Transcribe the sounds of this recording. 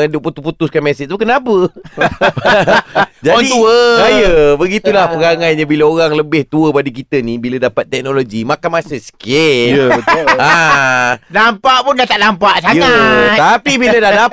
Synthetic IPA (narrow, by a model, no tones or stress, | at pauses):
ədʊʔput̪uput̪ʊskanmɛsɪt̪ukənapə | d͡ʒaadit̪uəsajəbəɡit̪ulahpəɾaŋaɲabilaoɾaŋləbɪht̪uəbadikit̪ənibilədapat̪̚ːɛk̚noloɡimakanmasəskɛ | a | nampaʔpʊndaht̪aʔnampaʔsajat̪apibilədahda